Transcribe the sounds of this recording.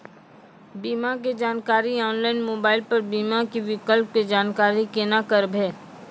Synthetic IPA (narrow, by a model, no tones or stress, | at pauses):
biːmak̬ed͡ʒaːnkaːɾiɔːnlaːɪnmoːbaːɪlpɐɾbiːmakiʋɪkəlp̚ked͡ʒaːnkaːɾikenakəɾbʱɛː